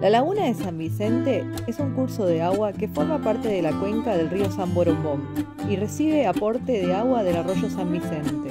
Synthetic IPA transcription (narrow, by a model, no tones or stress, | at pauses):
lʔalaɣunaðe̞sambise̞nt̪e̞ | esuŋkuɾso̞ð̞eaɣwake̞fo̞ɾmapaɾt̪e̞ð̞elakwe̞ŋkað̞elrio̞samboɾopom | ire̞siβ̞eapo̞ɾt̪eðeaɣwaðe̞laroʒo̞sambise̞nt̪e